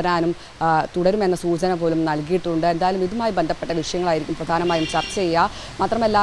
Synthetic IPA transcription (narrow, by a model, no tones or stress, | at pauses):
ɐɾaːnum | t̪uɽɐɾume̞nːɐsuːt͡ɕɐnɐpo̞ːlumnɐlkijiʈːuɳɖɨend̪aːjɐlumiðumaːjibend̪ʱɐpːe̞ʈːɐʋiʂɐjɐŋːɐɭaːjiɾikʲːumprɐd̪ʱaːnɐmaːjumɕɐrt͡ɕːɐejːa | maːt̪rɐme̞lːaː